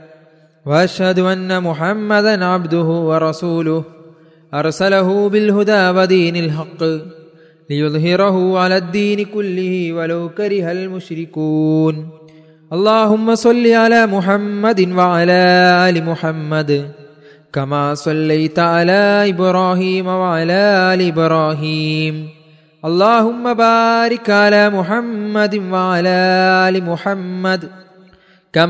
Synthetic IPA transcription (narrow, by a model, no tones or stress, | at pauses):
wɐɐʃhɐd̪ʊʔɐnːɐmʊħamːɐd̪ɐnʕabd̪ʊɦʊwɐɾˤɑsuːlʊh | ʔɐɾˤsɐlɐɦubɪlɦʊd̪aːwɐd̪iːnɐlħɑqːɨ | lɪjʊðˤɦɪɾɐɦʊʕalaːd̪ːiːnikʊlːɪhiwɐlɐwkɐɾɪɦɐlmʊʃɾɪkuːn | ʔɑlˤːɑːɦʊmːɐsˤɑlːiʕalaːmʊħɐmːɐd̪ɪnwɐʕalaːaːlimʊħɐmːɐd̪ | kɐmaːsɐlːɐjt̪ʕalaːɪbɾaːɦiːmɐwɐʕalaːʔaːliɪbɾaːɦiːm | ɐlˤːaːɦʊmːɐbaːɾɪkːʕalaːmʊħɐmːɐd̪ɪnʋɐʕalaːaːlimʊħɐmːɐd̪ | kɐ